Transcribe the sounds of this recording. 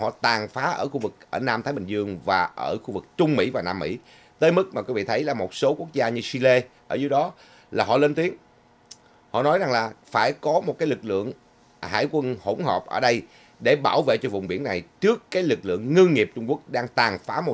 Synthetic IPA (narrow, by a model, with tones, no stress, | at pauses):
hɔ̰˧˨t̪aː˨˩ŋfaː˨˦ʔəː˧˩xu˧vɨ˨˩k̚ʔəː˧˩naː˧mt̪ʰaː˨˦jɓï˨˩ŋzɨ˧əŋvaː˨˩ʔəː˧˩xu˧vɨ˨˩k̚t͡ɕʊ˧ŋ͡mmḭ˧˥vaː˨˩naː˧mːḭ˧˥ | t̪əː˨˦jmɨ˦˥k̚ma˨kwvḭ˧˨t̪ʰə˨˦jlaː˨˩mo˨˩t̚so˨˦ku˦˥ək̚zaː˧ɲɨ˧si˧le˧ʔəː˧˩zɨ˨˦jɗɔ˨˦ | laː˨˩ɦɔ̰˧˨le˧nt̪i˨˦əŋ | hɔ̰˧˨nɔ˨˦jza˨˩ŋlaː˨˩faː˧˩jkɔ˨˦mo˨˩t̚kaː˨˦jlɨ˨˩k̚lɨ̰˧˨əŋ | ha̰ː˧˩jkwə˧nho˧˩wŋ͡mhɔ̰˨˩p̚ʔəː˧˩ɗə˧j | ɗe˧˩ɓaː˧˩wvḛ˧˨t͡ɕɔ˧vʊ̰˧˨ŋ͡mɓi˧˩ənːa˨˩jt͡ɕɨ˦˥əkːaː˨˦jlɨ˨˩k̚lɨ̰˧˨əŋːə˧ŋŋi˨˩əp̚t͡ɕʊ˧ŋ͡mku˦˥ək̚ɗaː˧ŋt̪aː˨˩ŋfaː˨˦mo˨˩